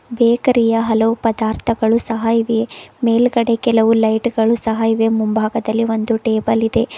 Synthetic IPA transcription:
beːkɐɾijɐɦɐlɐʋupɐd̪aːɾt̪ʰɐɡɐɭusɐɦɐiʋemeːlɡɐɽe̞kɛlɐʋulɐjʈɡɐɭusɐɦɐjiʋemumbʱaːɡɐd̪ɐlːiʋo̞nd̪uʈeːbɐlid̪e̞

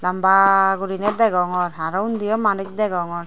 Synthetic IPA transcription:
lambaɡuɾinɛd̪ɛɡɔŋɔɾɦaɾɔwnd̪ijɔmanuk̚d̪ɛɡɔŋɔɾ

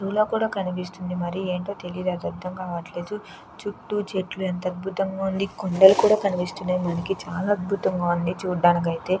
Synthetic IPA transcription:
ɾulo̞ːkuːɽaːkɐnipist̪und̪imɐɾieːɳʈo̞ːt̪e̞lid̪ɐd̪ɐd̪ɐŋkaːʋɐʈleːd̪u | t͡ʃuʈːut͡ʃeʈluent̪ɐd̪̚bʱut̪ɐŋɡaːund̪ikoɳɖɐlukuːɽaːkɐnipist̪unemɐnɐkit͡ʃaːlaːɐd̪̚bʱut̪ɐŋɡaːund̪it͡ʃuːɖaːnik̬ɐjit̪e̞ː

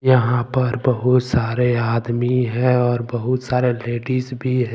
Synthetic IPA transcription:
jɐɦãpɐɾbɐɦʊt̪saːɾeaːd̪miɦɛ̃ɔːɾbɐɦʊt̪saːɾeleːɖisbʱiɦɛ̃ː

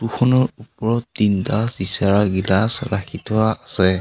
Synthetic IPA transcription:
tuxʰɔnɔɹupɔɹɔtːintasdisaɹaɡilasɹakʰitɔaːsɛ

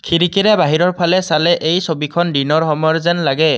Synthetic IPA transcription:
kʰiɹikiɹɛbaɦiɹɔɹpʰalɛsalɛʔejsobikʰɔndinɔɹxɔmɔɹzɛnlaɡɛ

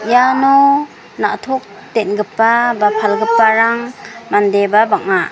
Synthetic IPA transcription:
janɔ | na̰t̪ʰɔk̚ | t̪enɡɯpːabapʰalɡɯpːaɾaŋmandebabaŋa

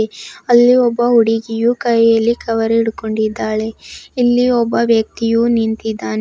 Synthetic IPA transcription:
eɐlːiɔbːɐɦuɽiɡijukɐjjɐlːikɐʋɐɾeiɽukoɳɖid̪ːaːɭe̞ilːiɔbːɐʋjɐk̚t̪ijunint̪id̪ːaːn

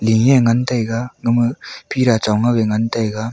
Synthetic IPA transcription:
liŋeŋantajɡaŋɯmɯpʰiɾat͡ʃawŋaweŋantajɡa

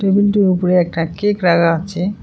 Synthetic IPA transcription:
ʈebilʈeupoɾeɛk̚ʈakekɾaɡaaːe

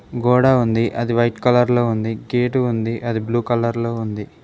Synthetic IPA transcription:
ɡoːɽaːund̪iʔɐd̪iʋɐjʈkɐlɐɾlo̞ːund̪iɡeːʈuund̪iʔɐd̪ibluːkɐlɐɾlo̞ːund̪i

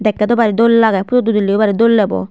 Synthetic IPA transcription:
d̪ɛkːɛt̪ɔbaɾid̪olːlaɡaput̪ot̪ud̪ulːibaɾid̪olːɛbɔ̰

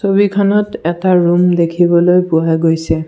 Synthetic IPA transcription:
sobikʰanɔtɛtaɹumd̪ekʰibɔlojpuajɡojsɛ

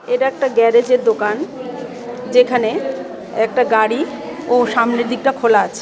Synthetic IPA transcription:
eʈaɛk̚ʈaɡɛɾed͡ʑeɾd̪okan | d͡ʑekʰane | ɛk̚ʈaɡaɽi | oʃamnid̪ʱik̚ʈakʰolaat͡ɕʰe̥

